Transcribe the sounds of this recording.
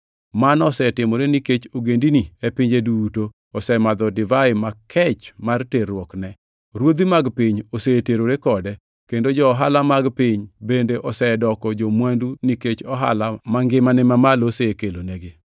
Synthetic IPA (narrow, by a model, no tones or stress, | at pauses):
manɔsɛtɪmɔɾeniket͡ʃoɡendiniepɪɲd͡ʒeduto | ɔsɛmad̪ɔdɪvaɪmakʰɛt͡ʃmarterwɔknɛ | ɾwod̪imaɡpɪɲoseteɾoɾekɔdɛ | kendod͡ʒɔːɦalamaɡpɪɲbendeʔɔsɛdɔkɔd͡ʒomwanduniket͡ʃɔɦa̰lamaŋɡɪmanɛmamalosekeloneɡɪ